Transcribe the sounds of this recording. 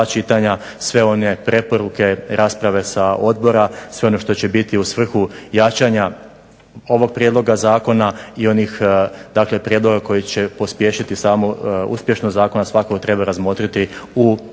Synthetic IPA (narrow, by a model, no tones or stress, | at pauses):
at͡ʃit̪aɲa | sʋe̞o̞ne̞pɾe̞po̞ɾuke̞ɾʔaːspɾaʋe̞sao̞d̪̚bo̞ɾasʋe̞o̞no̞ʃt̪o̞t͡ɕe̞bit̪iusʋr̩xujat͡ʃaɲa | o̞ʋo̞ɡ̚pɾje̞d̪lo̞ɡazaːko̞naio̞nixd̪aːkle̞pɾjed̪lˠo̞ɡako̞jit͡ɕe̞po̞spje̞ːʃit̪isaːmo̞ṵspjeʃnozaːko̞nasʋakokot̪ɾe̞baɾazmo̞t̪ɾit̪iu